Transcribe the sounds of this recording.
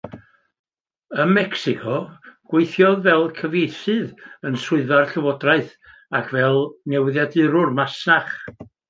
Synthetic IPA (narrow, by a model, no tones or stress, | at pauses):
əmɛksɪkʰɔɡ̥weɨθjɔðvɛlˠkʰəvejθɨðənsʊɨvarɬəvɔdraɨθ | akʰvɛlˠnɛwɪðjadɨɾʊrmasnaχ